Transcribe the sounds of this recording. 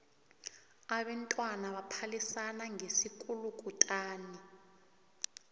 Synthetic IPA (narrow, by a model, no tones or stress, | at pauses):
aɓɛntʼwanaɓapʰalisanaŋʱesik̬ʼulukʼutʼaːnɛ